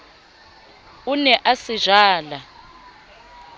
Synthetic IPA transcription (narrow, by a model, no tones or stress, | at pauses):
unɛʔasiʒaːla